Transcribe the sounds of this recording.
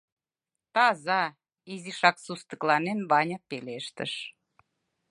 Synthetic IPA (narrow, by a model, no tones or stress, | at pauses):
t̪ɑzɑ | iziʃɑksust̪ə̆klɑnenβɑnʲɑpeleʃt̪ə̰ʃ